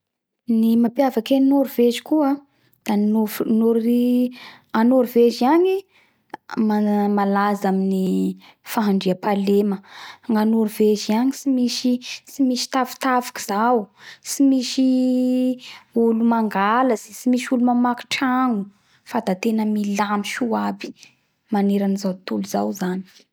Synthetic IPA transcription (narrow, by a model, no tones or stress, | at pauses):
nimapjavakeninoɾuvezi̥kua | d̪̥anonoɾi | anoɾuveziaɲi | mamalazamini | faɦaɳɖ͡ʐiapaleməŋanoɾuveziaɲisimiʃisimiʃi̥t̪avi̥t̪avi̥ki̥z̥awsimiʃi | ulumaŋɡaləzisimiʃulumamaki̥ʈ͡ʂaŋu | fad̪at̪enəmilamiʃuabi̥ | maneɾanizawt̪uluz̥a̰wzani̥